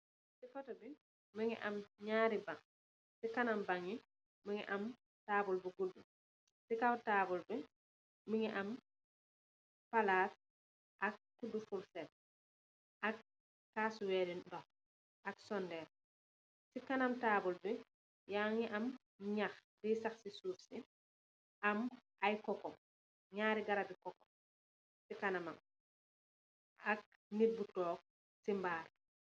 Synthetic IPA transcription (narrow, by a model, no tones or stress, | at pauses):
sikɔtɔbi | məŋḭʔamɲaːɾibaŋ | sikanambaŋi | miŋḭʔam | taːbulbiɡudːu | sikawtaːbulbɛ | miŋiʔam | palaːt̚ | ʔɐk̚kudufulsɛt̚ | ʔak | kasuwɛːɾinɗɔ | ʔɐksɔndɛːn | sikanɐmtaːbulbi | jaŋiʔɐm | ɲaxdisaxsisuːfsi | ʔamʔajkɔkɔm | ɲaːɾiɡaɾabikɔkːɔm | sikanamɐm | ɐk̚ | nibutɔːk̚ | simbaːɾ